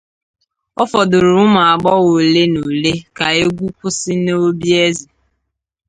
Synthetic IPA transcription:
ɔ˦fɔ˨dʊ˨ɾʊ˨ʊ˦ma˨a˨ɡ͡bɔ˦wo˨le˦no˨le˦ka˨e˦ɡʷu˦kʷʊ˦sɪ˦no˦bi˦e˦zi˨

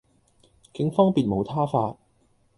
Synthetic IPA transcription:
kɪ˨˥ŋfɔː˥ŋpiː˨t̚mo˨˧wt̪ʰaː˥faː˧t̚

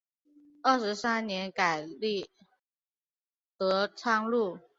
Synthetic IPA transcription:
ə˥˩ʂɻ̩˧˥sa˥nnjɛ˧˥nka˨˩ɪli˥˩ | t̪ɤ˧˥ʈ͡ʂʰɑ˥ŋlu˥˩

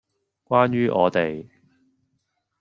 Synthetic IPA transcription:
kʷwaː˥njyː˥ʔɔː˨˧t̪e˨j

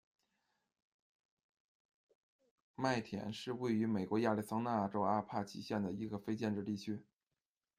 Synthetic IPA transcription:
ma˥˩ɪt̪ʰjɛ̰˧˥nʂɻ̩˥˧we˥˩ɪy˧˥me˨˩ɪkwɔ˧˥ja˥˧li˥˩sɑ˥ŋna˥˧˥ʈ͡ʂo˥ʊa˥pʰa˥˩t͡ɕʰḭ˧˥ɕjɛ˥˩nd̪ə˩i˧˥ɡə˧fe˥ɪt͡ɕjɛ˥˧nʈ͡ʂɻ̩˥˧t̪i˥˩t͡ɕʰy˥

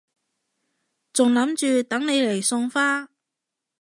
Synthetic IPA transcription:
t͡sʊ˨ŋlɐ˨˥mt͡ʃyː˨˧t̪ɐ˨˥ŋne˨˧jle˨˩jsʊ˧ŋfaː˥

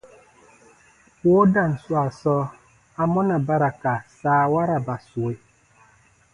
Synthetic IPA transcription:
po˦da˦˨n̩˨swa˨sɔ˦ | a˦mɔ˦na˨ba˦ɾa˨ka˨saː˨˦˨wa˦ɾa˨ba˨su˨e˨

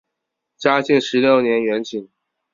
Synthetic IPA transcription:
t͡ɕja˥t͡ɕi˥˩ŋʂɻ̩˧˥ljo˥˩ʊnjɛ˧˥nɥɛ˧˥nt͡ɕʰi˨˩˦n

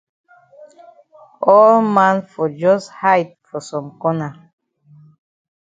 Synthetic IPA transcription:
ɔ˦lmã˦nfɔ˨d͡ʒɔ˦sha˦jt̚fɔ˨sɔ̃˨mkɔ˦na˨

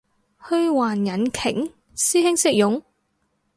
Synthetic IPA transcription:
hɵ˧ɥwaː˨˩njɐ˨˥nkʰɪ˨˩ŋ | siː˥hɪ˥ŋsɪ˥k̚jʊ˨˥ŋ

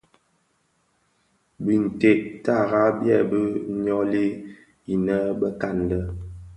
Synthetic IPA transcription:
bi˨n̩˨te˦˨ʔta˦˨ɣa˦bjɛ˦˨bə˦ɲɔ˦li˦ | i˨nə˦bə˦ka˦˨ndə˦

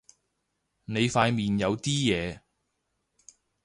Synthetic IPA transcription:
ne˨˧jfaː˧jmiː˨njɐ˨˧wt̪iː˥jɛː˨˧

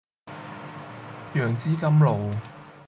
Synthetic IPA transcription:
jœː˨˩ŋt͡siː˥kɐ˥mlo˨w

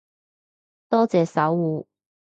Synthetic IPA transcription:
t̪ɔː˥t͡sɛː˨˧sɐ˨˥wuː˨˧

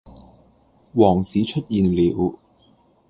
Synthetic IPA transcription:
wɔː˨˩ŋsiː˨˥t͡ʃʰɵ˥t̚jiː˨˧nliː˨˥w

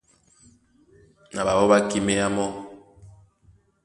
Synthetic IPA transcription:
na˨ba˨bɔ˦βa˦ki˦me˦a˦mɔ˦

